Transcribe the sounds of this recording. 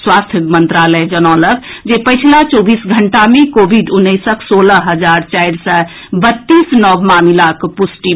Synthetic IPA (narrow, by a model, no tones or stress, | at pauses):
swast̪ʰəmənt̪ɾaləjd͡ʒənɔləkd͡ʒepəjt͡ʃʰlat͡ʃɔbisɡʱəɳʈamekobʱiɖunːəɪsəksoləɦəd͡ʒaɾt͡ʃajɾsə | bət̪ːisnɔbmamilakpusʈi